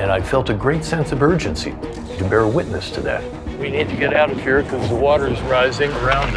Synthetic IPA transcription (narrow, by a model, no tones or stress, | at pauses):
ɨ̃ñaɪfɛlˠtɨɡɹeɪtsɛ̃nsʌvɜ˞d͡ʒɨ̃nsḭ | ɾɨbɛɹəwɪtⁿnɨstʰɨðæ̰t̚ | winid̚tʰɨɡɛɾaʊɾʌv̥hiɹkʰʌzðəwɔɾə˞zɹaɪzɪ̃ŋə˞ãʊ̃n